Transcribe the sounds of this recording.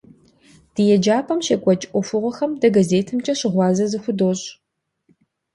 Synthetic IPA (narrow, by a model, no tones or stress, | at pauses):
d̥ɨjɛd͡ʒaːpʰʼɐmʃɐkʷʼɔt͡ʃʼʔʷʼɔfɨʁʷɔxɐmdɐɡɐzeːtʰɨmt͡ʃʼɐɕɪʁʷɑːzɐzɨxʷʊdoːɕʼ